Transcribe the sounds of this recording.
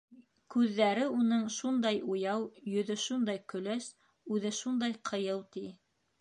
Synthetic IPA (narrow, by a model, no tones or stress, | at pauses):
kʉðːæɾɘunɤɴʃund̪ɑjujɑwjɵ̆ðɵʃund̪ɑjkɵ̆læs | ʉðɘʃund̪ɑjqʰɤ̆jɤw̪ˠt̪i